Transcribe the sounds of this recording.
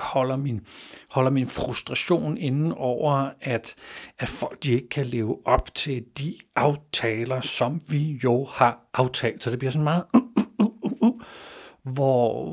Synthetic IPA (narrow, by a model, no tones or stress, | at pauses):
hɒ̽l̰ɐminhɒ̽l̰ɐminfʁusd̥ʁɑ̈ɕo̝̰ːne̝nn̩ɒʊ̰ɐæd̥æ̥fɒ̽l̰ɡ̥̚d̥ie̝ɡ̥əkʰæle̝ːʊʔɒ̽b̥t͡sʰe̝ld̥iʔɑ̈ʊt͡sʰɛːlɐsɒ̽mʋijo̝hɑ̈ʔɑ̈ʊt͡sʰɛ̰ːld̥sɒ̽d̥e̝b̥liɐsɔ̽nmɑ̈ːð̩ˠ | ʋɒ